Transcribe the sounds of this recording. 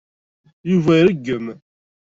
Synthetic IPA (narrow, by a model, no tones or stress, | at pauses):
juvæɾəɡːəm